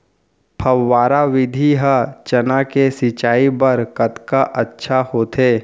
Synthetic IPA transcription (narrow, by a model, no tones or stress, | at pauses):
pʰɐwːaːɾaʋɪd̪ʱiɦət͡ʃɐnakesɪt͡ʃaːibəɾkət̪kaʔətːʃʰahoːt̪ʰeː